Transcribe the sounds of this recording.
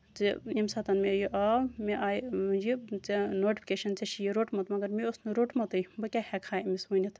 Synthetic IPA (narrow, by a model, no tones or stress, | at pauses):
t͡siimsɐt̪ɐnmejiʔamiʔaːjjit͡senoːʈipʰʲikeʃɐnt͡sɐʃʰijiɾoʈmɐt̪mɐɡɐɾmiosnɨɾoʈmɐt̪ɨjbɐkʲahɛkʰaːmismɐnʲit̪